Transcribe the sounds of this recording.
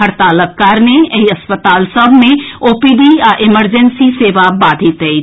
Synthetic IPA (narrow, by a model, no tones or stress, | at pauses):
ɦəɾt̪aːləkkːaːɾneɐɦiɐspət̪aːlsəbʱmẽoːpiɖiaʔɪməɾd͡ʒənsiseːʋabaːd̪ʱit̪ei